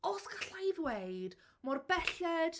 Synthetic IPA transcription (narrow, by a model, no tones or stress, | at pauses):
ɔskʰaɬajðweɨd | mɔrbɛɬɛd̥